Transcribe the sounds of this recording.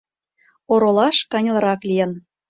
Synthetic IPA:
oɾolˠɑʃkɑnʲl̆ˠɾɑklijə̆n

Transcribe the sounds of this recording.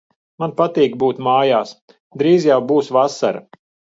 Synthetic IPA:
manpat̪iːkbuːt̪maːjaːs | d̪ɾiːzjawbuːsvasa̰ɾa

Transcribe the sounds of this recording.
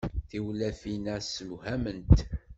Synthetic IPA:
θiwlæfinæsəmhæmənt̪

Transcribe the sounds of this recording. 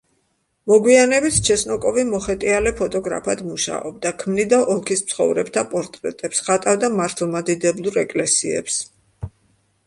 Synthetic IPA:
mɔɡwianɛbit̪ʰt͡ʃʰɛsnɔkʼɔvimɔχɛt̪ʼialɛpʰɔt̪ʼɔɡɾa̰pʰad̪muʃa̰ɔb̚d̪akʰmnid̪aʔɔlˠkʰismtsʰχɔ̰vɾɛbt̪ʰapʼɔɾt̪ʼɾɛ̰t̪ʼɛpsχat̪ʼavd̪amaɾt̪ʰlˠmad̪id̪ɛblˠuɾɛkʼlɛsiɛ̰ps

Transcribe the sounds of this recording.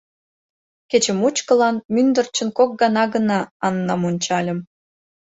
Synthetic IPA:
ket͡ɕə̆mut͡ɕkəlɑnmynd̪ərt͡ɕə̆nkok̚ɡɑnɑɡənɑːnːɑmunʲt͡ɕɑlʲə̆m

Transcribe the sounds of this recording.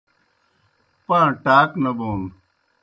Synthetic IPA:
pãːʈaːknɐboːn

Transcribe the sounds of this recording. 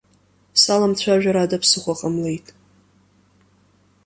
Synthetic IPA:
salamt͡ɕʷʰaʒᶣaɾadapʰsɨχʷaqʼamle̞jtʼ

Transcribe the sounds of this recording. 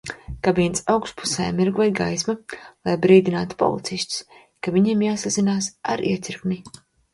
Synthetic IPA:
kabiɛnsawkspu̥sɛ̰jmiɾɡuajɡajsmalˠajbɾiːd̪inaːt̪u̥pɔ̰lˠḭt̪sisʲt̪ʲi̥s | kaviɲiɛmjaːsazinaːsaɾʔḭɛt̪sʲiɾkmi

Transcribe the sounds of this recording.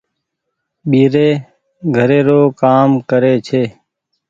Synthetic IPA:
ɓiːɾeː | ɡʱəɾeːɾoːkaːmkəɾeːt͡ʃʰeː

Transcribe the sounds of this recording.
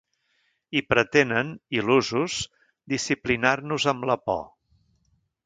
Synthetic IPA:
ipɾət̪enəniluzuz | d̪isiplinarnuzəmləpɔ̰

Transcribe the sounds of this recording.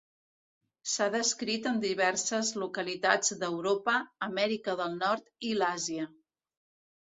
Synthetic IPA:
saðəskɾit̪ənd̪iβ̞ɛrsəzlukəlit̪ad͡zd̪əwɾopəːmɛɾikəðəlˠnɔɾt̪ilaziə

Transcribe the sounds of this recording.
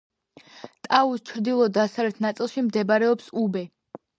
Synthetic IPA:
t̪ʼaust͡ʃʰɾd̪ilˠɔd̪asavlɛt̪ʰnat̪sʼilˠʃimd̪ɛbaɾɛɔpsubɛ

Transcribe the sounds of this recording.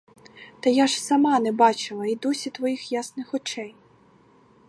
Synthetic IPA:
t̪ɐjaʒsɐmɑnɛbɑt͡ʃɪlˠɐid̪usʲit̪ʋɔjixjasnɪxɔt͡ʃɛj

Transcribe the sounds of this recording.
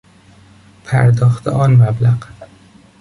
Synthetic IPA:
pʰæ̰ɾd̪ɒːxt̪ʰḛʔɒːnmæblæɢ

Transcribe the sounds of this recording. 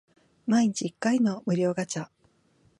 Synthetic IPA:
maiɲ̟it͡ɕiːkːaino̞mɯ̟ɾʲo̞ːɡat͡ɕa

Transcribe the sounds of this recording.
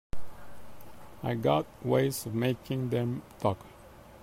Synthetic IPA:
aɪɡɑt̚weɪzɔvmeɪkʰɪ̃ŋðɛ̃mtʰɔk

